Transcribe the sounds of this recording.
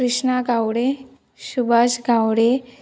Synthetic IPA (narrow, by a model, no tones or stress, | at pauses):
ɾiʂɳaɡʱawɽe | ɕubʱaɕɡʱawɽe